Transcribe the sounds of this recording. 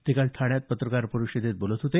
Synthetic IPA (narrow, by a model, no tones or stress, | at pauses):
t̪ikalt̪ʰaɽ̃jat̪̚pət̪ɾəkaɾpəɾuɕed̪ʱet̪̚bolət̪ɦot̪e